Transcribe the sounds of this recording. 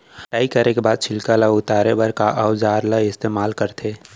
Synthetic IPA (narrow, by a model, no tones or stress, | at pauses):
ʈaːikəɾekebaːd̪̚t͡ʃʰɪlkalaʊt̪aːɾebəɾkaʔəwd͡ʒaːɾlaɪst̪eːmaːlkəɾt̪ʰeː